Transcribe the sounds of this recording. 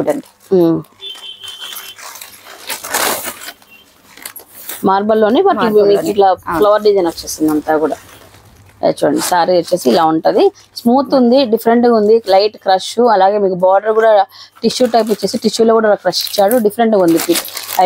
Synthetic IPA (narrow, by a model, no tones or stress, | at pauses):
i | maːɾbɐlːo̞ːniʋaːɾiniːiʈlaplɐʋɐɾɖid͡ʒɐjnɐt͡ʃːe̞ːsind̪ɐnt̪aːkuːɽaː | ḛt͡ʃːuːɽɐ̰ɳɖisaːɾiet͡ʃːe̞ːsiːlaːuɳʈɐd̪i | smuːt̪und̪iɖifʰɐɾeɳʈɡaund̪ilɐjʈkɾɐʃuɐlaːɡe̞ːmiːkubaːɖɐɾkuːɽaːʈiʃjuːʈːɐp̬ːit͡ʃːeːsiʈiʃjuːloːkuːɽaakɾɐʃi̥t͡ʃːaːɽuɖifʰɐɾeɳʈɡaund̪ipʰiːʈ